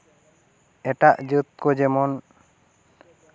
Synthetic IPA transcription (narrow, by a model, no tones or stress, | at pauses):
ɛʈaʔd͡ʒət̪̚kɔd͡ʒɛmɔn